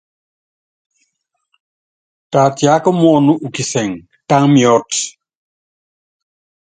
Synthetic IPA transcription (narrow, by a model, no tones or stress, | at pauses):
tatjakɔmɔːnuʔukisɛŋ | taŋmiɔt